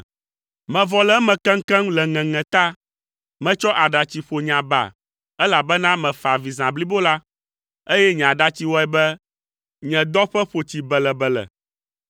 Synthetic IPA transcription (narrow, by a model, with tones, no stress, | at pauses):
mɛ̃˨vɔ˨lɛ˦mɛ̃˨kɛ̃˦ŋ̩˦kɛ̃˦ŋ˦lɛ˨ŋɛ̃˨ŋɛ̃˨t̪a˦ | mɛ̃˨t͡ʃɔ˦ʔa˨ɖa˨t͡ɕi˨ɸo˨ɲã˨ba̰˨ | ɛ˦la˨bɛ˦nã˦mɛ̃˨fa˨vi˨zã˨bli˦bo˦la˦ | e˦jɛ˦ɲ̃˨ã˨ɖa˦t͡ɕi˦wɔ˦ɛ˨bɛ˦ | ɲɛ̃˨d̪ɔ˦ɸɛ˦ɸo˨t͡ɕi˨bɛ˨lɛ˨bɛ˨lɛ̰˨